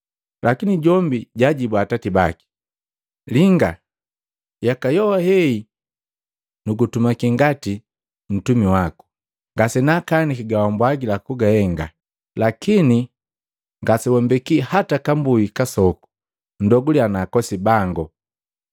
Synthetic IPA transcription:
lʔakiniɟɔmbiɟaɟibwatatiba̰ki̥ | liŋɡa | jakajɔwahɛi | nuɡutumakiŋɡati | m̩tumiwaku̥ | ŋɡasɛnakanikiɡawambwaɡilakuɡahɛŋɡa̰ | lakini | ŋɡasɛwɔmbɛkihatakambuikasɔku̥ | n̩dɔɡulianaːkɔsibaŋɡɔ

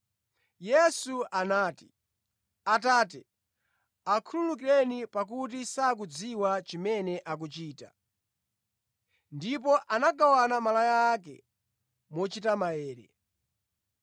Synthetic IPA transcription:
jɛsuanaːti̥ | ataːtɛ | akʰululuk̬iɾɛnipak̬ut̬isak̬ud͡ziwat͡ʃimɛnɛʔak̬ut͡ʃiːta | ndip̬ɔʔanaɡawanamalajaakɛ̰ | mɔt͡ʃitamaɛːɾɛ̰

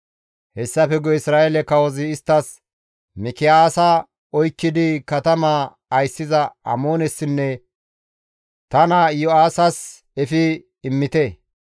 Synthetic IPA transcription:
hɛsːɐfɛɡɔɪsɾaːelɛkːɐwɔzɪːst̪ːɐs | mɪkɪaːsɐ | ɔjkːɪd̪ɪkɐt̪ɐmaː | ɐjsːɪzɐɐ̰moːnɛsːɪnːɛ | t̪ɐnɐjɔaːsɐs | ɛfɪː | mːɪt̪ɛ

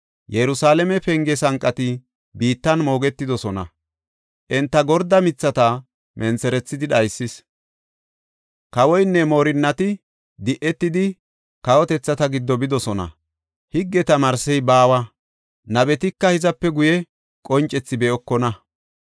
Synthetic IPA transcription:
jɛɾʊsaːlɛmɛpɛŋɡɛsɐŋkʼːɐt̪ɪ | biːt̪ːɐnmo̞ːɡɛt̪ːɪd̪ɔsɔnɐ̰ | ʔɛnt̪ːɐɡɔɾd̪ɐmɪt͡sːɐt̪ɐ | mʔɛnt͡sɛɾɛt͡sːɪd̪ɪɗɐjsːɪs | kɐwɔjnːɛmo̞ːɾɪnːɐt̪ɪ | d̪ɪʔɛt̪ːɪd̪ɪ | kɐwɔt̪ɛt͡sːɐt̪ɐɡɪd̪ːɔbɪd̪ɔsɔnɐ̰ | hɪɡːɛt̪ɐmɐɾsɛjbaːwɐ | nɐbɛt̪ɪkːɐhɪzɐpːɛɡʊjɛ | kʼɔnt͡ʃʼːɛt͡sːɪbɛɔkːɔnɐ

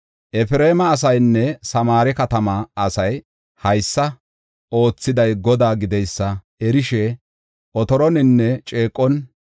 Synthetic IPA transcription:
ʔɛfɪɾe̞ːmɐːs̬ɐjnːɛsɐmaːɾɛkɐt̪ɐmaɐsɐj | hɐjsːɐ | ʔo̞ːt͡sːɪd̪ɐjɡɔd̪aːɡɪd̪ɛjsːɐ | ɛɾɪʃɛ | ʔɔt̪ɔɾɔnɪnːɛt͡ʃʼe̞ːkʼːɔn

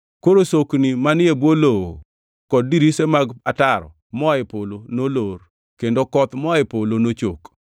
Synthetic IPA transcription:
koɾosoknimanɪebwoloo | kɔd̚diɾisemaɡataɾɔ̰ | mɔɪpolonolor | kendokɔt̪mɔaɪpolonot͡ʃok

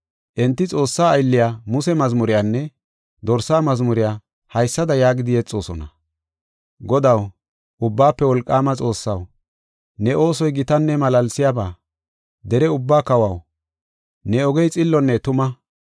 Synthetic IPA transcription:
ʔɛnt̪ːɪt͡sʼo̞ːsːaːjlːɪjaːmʊsɛmɐzmʊɾɪjaːnːɛ | d̪ɔɾsaːmɐzmʊɾɪjaː | hɐjsːɐd̪ɐjaːɡɪd̪ɪjɛt͡sʼːo̞ːsɔ̰nɐ̰ | ɡɔd̪ɐw | ʔʊbːaːpːɛwɔlkʼːaːmɐt͡sʼo̞ːsːɐw | nɛʔo̞ːsɔjɡɪt̪ɐnːɛmɐlɐlsɪjabaː | d̪ɛɾɛʊbːaːkɐwɐw | nɛɔɡɛjt͡sʼɪlːɔnːɛt̪ʊmɐ

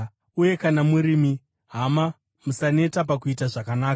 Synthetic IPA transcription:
uje̞kanamuɾimi | ɦama | musane̞tap̬akuitaʐakanaːka

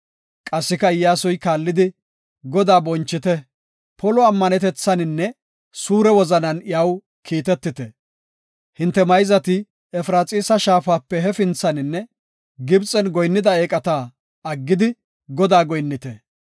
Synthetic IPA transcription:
kʼɐsːɪkɐɪjːaːsɔjkaːlːɪd̪ɪ | ɡɔd̪aːbɔnt͡ʃːɪt̪ɛ | pʰɔlɔɐmːɐnɛt̪ɛt͡sːɐnɪnːɛ | suːɾɛwɔzɐnɐnjaw | kʰiːt̪ɛt̪ːɪt̪ɛ | hɪnt̪ːɛmɐjzɐt̪ɪ | ɛfɾaːt͡sʼiːsɐʃaːfaːpːɛɦɛfɪnt͡sːɐnɪnːɛ | ɡɪbt͡sʼɛnɡɔjnːɪd̪ɐeːkʼɐt̪aː | ɐɡːɪd̪ɪ | ɡɔd̪aːɡɔjnːɪt̪ɛ

